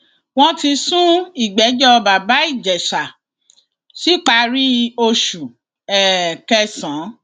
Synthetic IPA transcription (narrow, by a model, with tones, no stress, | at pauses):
w̃ɔ̃˦ti˧sũ˦i˦˨ɡ͡bɛ˨˦d͡ʒɔ˦˧ba˨ba˨˦i˦˨d͡ʒɛ˨ʃa˨ | si˨˦k͡pa˧˦ɾi˦o˧ʃu˨ | ɛ˨kɛ˧sã˨˦